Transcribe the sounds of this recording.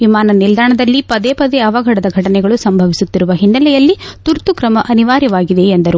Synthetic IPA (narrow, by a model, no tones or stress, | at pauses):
ʋimaːnɐnild̪ʱaːɳɐd̪ɐlːipɐd̪eːpɐd̪eɐʋɐɡʱɐɽɐd̪ɐɡʱɐʈɐnɛɡɐɭusɐmbʱɐʋisut̪ːiɾuʋɐɦinːɐlɛjɐlːit̪uɾt̪ukɾɐmɐʔɐniʋaːɾjɐʋaːɡid̪e̞ːnd̪ɐɾu